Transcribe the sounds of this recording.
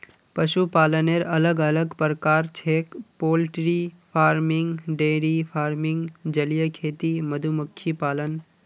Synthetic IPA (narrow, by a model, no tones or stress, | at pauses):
pɐʃupaːləneɾɐləɡələɡpəɾkaːɾt͡ʃʰeːkpoːlʈɾifʰaːɾmɪ̃ŋɡɖeːɽifʰaːɾmɪ̃ŋɡd͡ʒəljəkʰeːt̪iməd̪ʱumʊkʰjipaːlən